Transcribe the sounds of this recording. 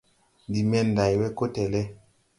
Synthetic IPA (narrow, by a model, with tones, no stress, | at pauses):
di˨mɛ˦n˨da˨jwɛ˦ko˦tɛ˨lɛ˦